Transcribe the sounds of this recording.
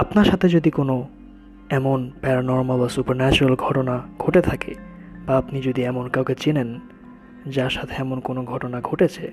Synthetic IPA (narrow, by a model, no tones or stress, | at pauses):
apnaɾʃat̪ʰed͡ʑod̪ikono | ɛmonpɛɾanɔɾmalbasupaɾnɛt͡ɕuɾalɡʱɔʈonaɡ̥ʱoʈet̪ʰakḛ | baapnid͡ʑod̪iɛmonkawket͡ɕenen | d͡ʑaɾʃat̪ʰeɛmonkonoɡʱɔʈonaɡʱoʈet͡ɕʰe